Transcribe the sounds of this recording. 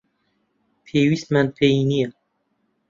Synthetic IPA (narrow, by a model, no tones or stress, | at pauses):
pʰeːwismænpʰeinija